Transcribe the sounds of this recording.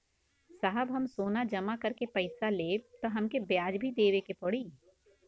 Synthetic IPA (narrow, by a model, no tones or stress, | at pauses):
saɦəbɦɐmsoːnad͡ʒɐmakɐɾkepɐɪsaleːt̪oɦɐmkebjaːd͡ʒbʱid̪eːʋekepɔɽiː